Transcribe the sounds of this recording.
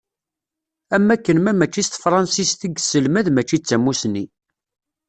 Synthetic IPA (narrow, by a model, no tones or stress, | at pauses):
æmːækːənmæmæt͡ʃːist̪fɾˤɑnsist̪iɡsəlmæðmæt͡ʃːit͡sːæmːusni